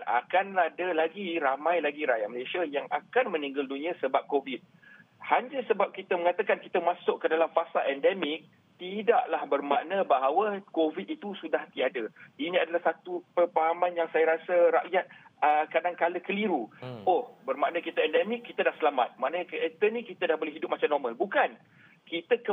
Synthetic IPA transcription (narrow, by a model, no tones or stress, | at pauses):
na̰kanadəlaɡiɾamãjlaɡiɾajaʔməlasiajaŋakanmə̃nĩŋɡaldunĩãsəbap̚kovit̪̚ | haɲəsəbap̚kit̪əməŋat̪akankit̪əmasʊʔkkːədalamfasalʔɛndɛmɪk̚ | t̪idaʔlahbərmaʔnə̃baɦawəkovit̪̚it̪usudaht̪iadəinĩadalahsat̪upərpaɦamanjaŋsajaɾasəɾa̰ʔjat̪̚əkadaŋkaləkəliɾuohbərmaʔnəkit̪aɛndɛmikːit̪adahsəlama̰t̪̚maʔnəkəɛt̪ənĩkit̪adahbolɛɦidʊp̚mat͡ʃamnɔrmalbukan | kit̪əkə